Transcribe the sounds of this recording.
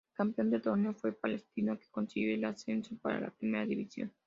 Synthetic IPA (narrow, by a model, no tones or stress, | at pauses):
kampeo̞nd̪et̪oneofwe̞palest̪inoke̥konsielasensopa̰ɾa̰la̰pɾime̞ɾaðiβisjo̞̰n